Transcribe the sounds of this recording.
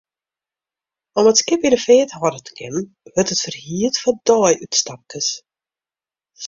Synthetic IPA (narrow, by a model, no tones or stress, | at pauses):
ɔmətskɪpjədəfeːətɦɔdətə̥kʰɪnə | ʋørtətfərhiətfɔdɔjytstap̚kəs